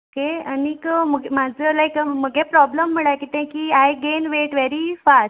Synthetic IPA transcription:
okeənikəməɡemad͡zəlajkməɡʱepɾɔbləmːəɭajkit̪ɛ̃kiajɡenʋeʈʋeɾifas

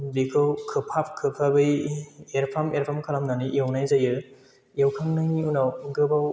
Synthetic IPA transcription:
bikʰɯwkʰɯpʰap̚kʰɯpʰabɯjeɾpʰameɾpʰamkʰalamnaniʔjawnajzajɯ | jewkʰaŋnɯŋiunawɡɯbaw

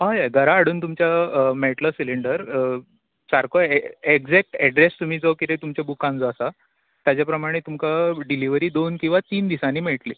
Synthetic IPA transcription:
ɦajajɡ̪ʱəɾaːɽ̤uːnt̪umt͡ɕjameʈləsiliɳɖəɾ | saɾkʰoeɡd͡zɛk̚ʈɛɖɾest̪um̤iːd͡zəkit̪et̪umt͡ɕjabukãnd͡zɔəsa | t̪jat͡ɕjapɾəmaɽ̃et̪umkaɖiliʋəɾiːd̪onkĩw̃ʋat̪iːnd̪isaniːmeʈle

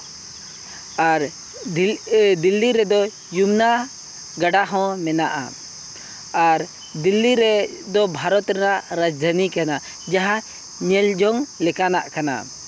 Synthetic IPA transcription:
aɾ | d̪ilːiɾɛd̪ɔ | jumna | ɡaɖaɦɔ̃mɛnaʔa̰ | aɾ | d̪ilːiɾɛd̪ɔbʱaɾɔt̪ɾɛnaʔɾad͡ʒd̪ʱanikana | d͡ʒaɦa | ɲɛld͡ʒɔŋlɛkanaʔkana̰

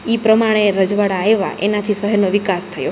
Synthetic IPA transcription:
ipɾəmaɽ̃eɾəd͡ʒʋaɽaːeʋa̰ʔḛnat̪ʰisəɦəɾnoʋikast̪ʰəjo

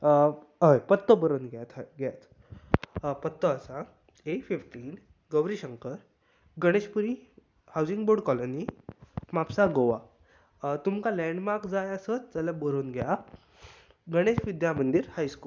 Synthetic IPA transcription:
ɦəjpət̪ːəbəɾonɡjat̪ɡjat̪ | pət̪ːəːsã | efifʈiːn | ɡəʋɾiɕəŋkəɾ | ɡəɽ̃eɕpuɾi | hawd͡ziŋɡboɾɖkɔlonimapsaɡoʋa̰ | t̪umkãlɛɳɖmaɾkd͡zajəsət̪d͡zəlabəɾonɡja | ɡəɽ̃eɕʋid̪jamənd̪iɾhajskuːl

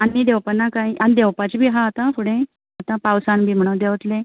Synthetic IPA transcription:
anːid̪ewpənːakaiʔanid̪eʋpat͡ɕibʱiːɦaːt̪ãfuɽẽ | at̪ãpawsanbʱiːm̤əɽũd̪eʋt̪le

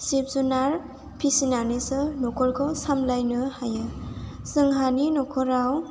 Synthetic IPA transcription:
sip̚zunaɾ | pʰisinanisɯnɔkʰɔlkʰɔsamlajnɯhajɯ | sɯŋɦaninɔkʰɔɾaw

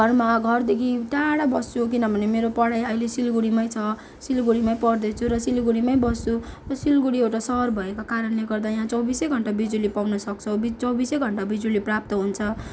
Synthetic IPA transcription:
ɡʱʌrmaɡʱʌrd̪ekʰiʈaɽabʌst͡sʰuk̬inʌbʱʌnemeɾopʌɽajʌjlesilɡuɽimaj̃t͡sʰʌ | silɡuɽimaj̃pʌɽd̪ʌt͡sʰuɾʌsilɡuɽimaj̃bʌst͡surʌsilɡuɽiewʈasʌrbʱʌekakaɾʌnleɡʌrd̪ajɦãt͡sʌwbisʌjɡʱʌɳʈabid͡zulipawnʌsʌk̚t͡sʰʌwbit͡sʌwbisʌjɡʱʌɳʈabid͡zuliprap̚t̪ʌɦunt͡sʰʌ

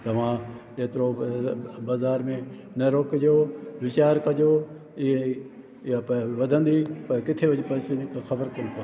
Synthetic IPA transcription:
t̪ɐʋ̤ãː | eːt̪ɪɾo | baːzaːɾmẽ | nɐɾoːkd͡ʒoːʋɪt͡ɕaːɾkɐd͡ʒoː | ɪẽ | pʋɐd̪ʱə̃nd̪iːpɐɾkɪt̪ʰeʋɐd͡ʒipɐːseɪkxɐbəɾkonp̪a

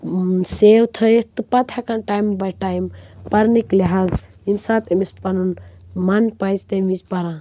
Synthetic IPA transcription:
sewt̪ʰəjt̪ɨpɐt̪ʰakanʈajmbɐjʈajmpɐɾnikliɦaz | imsat̪ʰemispɐnunmanpajzt̪emizpɐɾã

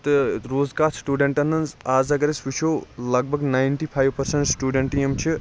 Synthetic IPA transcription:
t̪ɨɾoːzkaːɾsʈuːɖeɳʈɐnːɐnzaːzɐɡɐɾesʋit͡ʃʰolɐɡ̚bʱɐɡnajnʈipʰajʋpɐɾseɳʈsʈuːɖeɳʈijemt͡ʃʰi

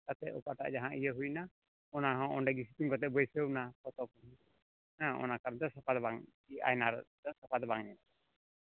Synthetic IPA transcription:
t̪at̪ɛʔɔ̰kaʔʈa̰ʔd͡ʒaɦãʔijəɦujna | ɔnaɦɔ̃ɔɳɖɛɡisit̪uŋkɔt̪ɛʔ̚bɔjsewnapɔt̪ɔkɔn | hãʔɔ̰nakaɾnt̪ɔsapʰad̪baŋ | ia̰jnaɾt̪ɔsapʰad̪baŋɲɛt̪

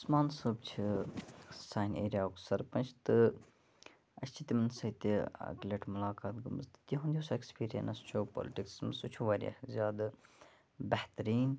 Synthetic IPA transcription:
ɐsmaːnsɨbt͡ʃʰi | saːjnʲḛːɾʲiaːksɐɾpɐnt͡ʃʰt̪ɨ | ɐt͡ʃʰt͡ʃʰit̪ʲimɐnsɐt̪ʲiɐ̰ɡlʲeʈʰmʊlaːkaːt̪ɡɐməzt̪ɨ̥t̪jiɦũnd̪ʲiosekspiːɾijɐ̰nɐst͡ʃʰoːpo̰ːliʈiksmɐsut͡ʃʰuʋaːɾʲḭɐ̰zʲjaːd̪ | bɐht̪ɾiːn

